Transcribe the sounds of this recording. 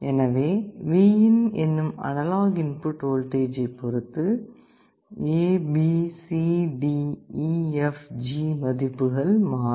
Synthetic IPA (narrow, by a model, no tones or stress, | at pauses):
ʔɛnɐʋeːʋiːjɪnɛnːɯmɐ̰nɐlaːɣɪnpɯʈoːlʈeːd͡ʒɐɪpːɔɾɯt̪ːɯ | eːbisiɖi | ɛfd͡ʒiːmɐðɪpːɯɣɐɭmaː